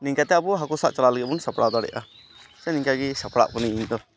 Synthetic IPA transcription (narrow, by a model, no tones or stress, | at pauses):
niŋkat̪ɛabɔɦakɔsaʔt͡ʃalalɛɡɛbunsapɽad̪aɽɛ̰ʔa | t͡ʃaniŋkaɡɛsapɽa̰ʔbɔniiɲd̪ɔ